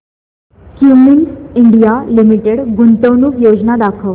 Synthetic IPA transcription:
kjuminsiɳɖijalimiʈeɽɡunt̪əʋnuːkjod͡ʑnad̪akʰəʋ

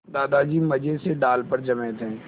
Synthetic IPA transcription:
d̪aːd̪ad͡ʒiːmɐd͡ʒeseɖaːlpəɾd͡ʒɐmɛ̃ːt̪ɦɛ̃ː

